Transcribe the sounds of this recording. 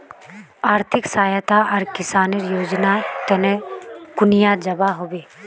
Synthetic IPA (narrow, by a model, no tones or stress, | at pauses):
aːɾt̪ʰɪksaːjət̪aʔəɾkɪsaːneɾjoːd͡ʒnat̪ənekʊnɪjad͡ʒɐbaɦoːbeː